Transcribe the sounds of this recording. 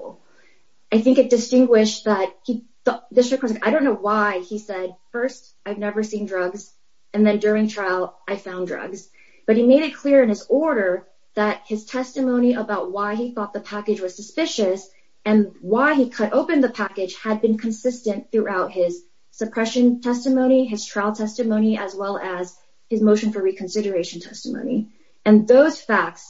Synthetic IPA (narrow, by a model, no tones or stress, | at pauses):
aɪθɪ̃ŋkɨt̚d̥ɨstɪ̃ŋɡwɪʃ̚ðət̚hi | ɔdɪstɹ̥ɨkʰːɑ̃saɪɾõʊ̃nːoʊwaɪisɛd̥̚fɜ˞st | aɪvnɛvə˞sĩndɹʌɡz | ɨ̃nðɨ̃ndʊɹɪ̃ŋtʰɹ̥aɪlˠʔaɪfãʊ̃ndɹʌ̰ɡz̥ | b̥ʌt̚himeɪɾɨt̚kʰl̥ɪɹɨ̃nɨzɔɹɾə˞ | ðət̚hɨz̥tʰɛstɨmõʊ̃ñiʔəbaʊt̚waɪiθɔt̪̚ðəpʰækɨd͡ʒwʌz̥sɨspɪʃɨs | ɨ̃nwaɪikʰəɾʔoʊpɨ̃nðɨpʰækɨd̥ʒ̥ɨd̚bɨ̃nkʰɨ̃nsɪstɨ̃nθɹʉʔaʊt̚hɪz̥ | sɨpʰɹ̥ɛʃɨ̃ntʰɛstɨmõʊ̃ñiɨz̥tʰɹ̥aɪlˠtʰɛstɨmõʊ̃niʔɨzwɛlˠɨz̥ | ɨzmoʊʃɨ̃nfə˞ɹikʰɨ̃n̩sɪɾə˞eɪʃn̩tʰɛstəmõ̰ʊ̃ni | ɨ̃nðoʊz̥fæk̚ts